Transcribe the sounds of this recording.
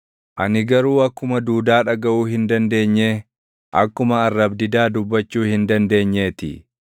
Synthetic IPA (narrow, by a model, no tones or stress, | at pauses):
ʔɐ̰nɪɡɐɾuːɐkːʊmɐd̪uːd̪aːᶑɐɡɐʔuːhɪnd̪ɐnd̪e̞ːɲːeː | ʔɐkːʊmɐɐrːɐbd̪ɪd̪aːd̪ʊbːɐt͡ʃːuːhɪnd̪ɐnd̪e̞ːɲːe̞ːt̪ɪ̰